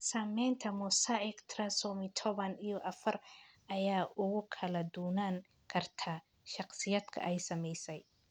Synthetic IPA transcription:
samɛjnt̪ʰɐmʊsaɛkt̪ʰrɐsɔːmɪt̪ʰɔβɐnijɔʔɐfɐr | ʔɐjaːʔʊɣʊkʰɐlɐd̪uːnaŋ | kʰɐrt̪ʰa | ʃɑqsɪjad̪̥kʰɐ̰ʔɛjsɐmɛjsɛj

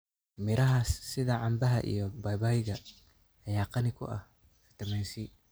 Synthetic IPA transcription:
mɪɾʔɐɦɐsːɪðɐʕɑmbɐɦɐ̰ʔḭjɔbaːjbaːjɪɣɐ | jaːqɑnɪkʰʊ̰ʔɐ̰h | fɪ̥t̪ɐmɛjsi

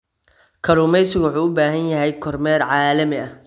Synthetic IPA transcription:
kʰɐɾuːmɛjsɪwʊħuːʊbaːɦɐnjɐɦɛjkʰɔrmɛːrʕɑːlɐmɪɐ

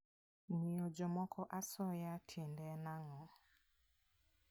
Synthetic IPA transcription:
miod͡ʒɔmɔkɔʔasɔjatʰɛndɛnaŋɔ

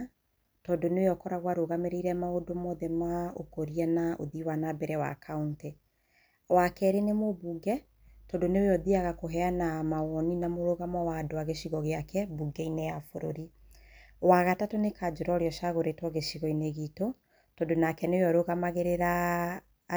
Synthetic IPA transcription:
tɔdoneoejɔkɔɾaɣwaɾoɣameɾeiɾɛmaodomɔðɛmao̰koɾianaʔo̰ðiwanabɛɾɛwa̰kʰaunte | wakɛɾenemobuɡɛ | tɔndoneoejɔðiaɣakoɦɛanamaɣɔninamoɾoɣamɔwadoaɣeʃiɣɔɣeakɛbuɡɛinejafoɾoɾi | waɣatatonekad͡ʒoɾɔɾeɔʃaɣoɾetwɔɣeʃiɣɔineɣito | tɔndonakɛneeɔɾoɣamaɣeɾeɾa

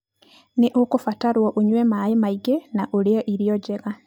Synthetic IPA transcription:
neʔokofataɾwɔʔoɲwɛmaemaiɡenaʔoɾeaʔiɾiɔɟɛɣa

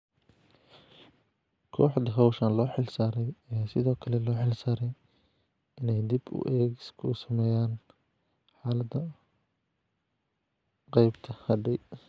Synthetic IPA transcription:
kʰɔːħd̪ɐɦɐwʃɐnlɔːħɪlsaːɾɛjɐjaːsɪðɔːkʰɐlɛlɔːħɪlsaːɾɛj | ɪnɛjd̪ibʊ̰ʔɛːɡɪskʰʊʊsɐmɛːjaːn | ħaːlɐd̪ɐ | qɛjbt̪ʰɐhɐɖɛj

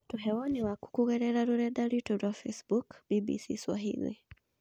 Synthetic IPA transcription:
tuɦɛwɔniwaku̥kuɣɛɾɛɾaɾuɾɛɗaɾitɔɾafɛsbukbibḭsḭswa̰ɦḭlḭ

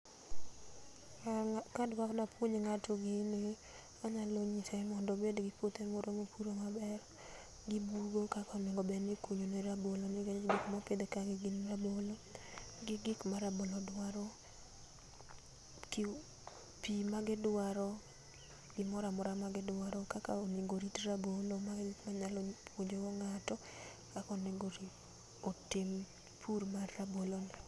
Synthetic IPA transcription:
kadwaknapwoɲeŋatoɡɪnɪ | aɲaloɲisɛmɔndobedɡɪpot̪emoɾomopʰuɾomabɛr | ɡɪbuɡokakɔmɪŋɡɔbɛnɪkuɲoneɾabolonɪɡɡikmapɪd̪ekaɡɪɡɪnɾaboloɡɪɡɪkmaɾabolɔdwaɾɔ | kɪ | pimaɡɪdwaɾɔ | ɡɪmɔɾamɔɾamaɡɪdwaɾɔkakaonɪɡoɾitrabolomaɡmaɲalɔpʰwoɲd͡ʒoɔŋatɔ | kakɔneŋɡoɾit | otɪm | pʰuɾmarːabolon

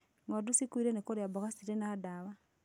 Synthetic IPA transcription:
ŋwadusikwiɾenekoɾeabɔɣasiɾenaadawa

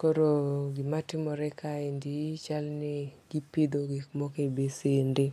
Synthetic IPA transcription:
koɾoɡɪmatɪmɔɾɛkʰaendit͡ʃalnɛɡ̥ipid̪oɡɪkmɔkebesendɪ

